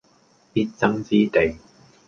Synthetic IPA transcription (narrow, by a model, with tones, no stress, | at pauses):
pi˥t̚t͡sɐ˥ŋt͡siː˥t̪e˨˩j